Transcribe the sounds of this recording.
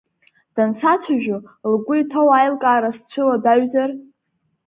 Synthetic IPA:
d̥ansat͡sʷʰaʒᶣʊlɡʷʊitʰowajlkʼaːɾast͡ɕʷʰɨladaɥzar

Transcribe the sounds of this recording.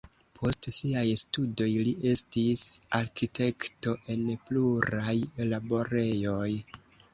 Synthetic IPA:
pʰo̞stsiajstudo̞jliʔe̞stisaɾkitʰe̞kto̞ʔe̞npluɾajlabo̞ɾe̞jo̞j

